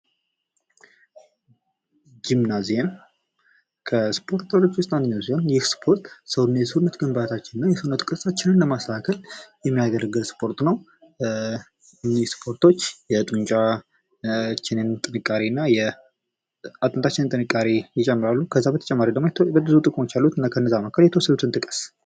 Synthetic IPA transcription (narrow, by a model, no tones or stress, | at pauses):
d͡ʒimnazjen | kʰəspʰo̞ɾt̪ʰəɾo̞t͡ʃːwʊst̪ʼand̪əɲːawsiho̞njɛspʰo̞ɾt̪səwnːajɛsunːət̪ɡəmbat̪ʰat͡ʃːɪnɨnːajɛsɨunːət̪kʼɨsat͡ʃːɪnɨnləmaslakʰəljɛmːijaɡ̪əɾəɡɨlspʰo̞ɾt̪nəw | nːispʰo̞ɾt̪ʰo̞t͡ʃːjɛt̪ʼuɲt͡ʃʼa | t͡ʃːɪnɨnt̪ʼɨnɨkʼːaɾinːajɛ | at̪ʼɨnt̪ʰat͡ʃːɪnɨnt̪ʼɨnɨkʼːaɾijɪt͡ʃʼɛmːɨɾalːukʰəzːabət̪ʰt͡ʃʼɛmːaɾid̪əɡmobəbɨzut̪ʼɨkʼmo̞t͡ʃːjalːut̪ɨnːakʰənːəzaməkʰəljɛt̪ʰəwɔsːəd̪ut̪ʰɨnt̪ʼɨkʼə̥s